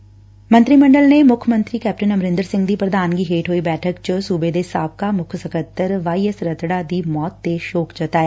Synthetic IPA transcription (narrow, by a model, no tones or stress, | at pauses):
mə̃nt̪ɾiːmə̃ɳɖəlnemʊkʰəmə̃nt̪ɾiːkɛːp̚ʈənəmɾɪ̃nd̪əɾsɪ̃ŋɡd̪iːpɾəd̪aːnɡiːɦeːʈɦoːiːbɛːʈʰəkt͡ʃəsuːbeːd̪esaːp̚kamʊkʰsəkət̪ːəɾʋaːiːəsɾət̪ɽad̪iːmɔːt̪ːeʃoːkd͡ʒət̪aːjaː